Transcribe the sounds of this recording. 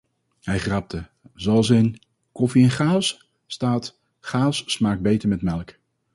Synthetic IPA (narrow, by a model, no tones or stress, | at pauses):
hɛjχrɑp̚tə | zɑlˠsɪn | kɔfiɛnχaːs | staːt | χaːssmaːɡ̚bejtəɹmɛtmɛlˠk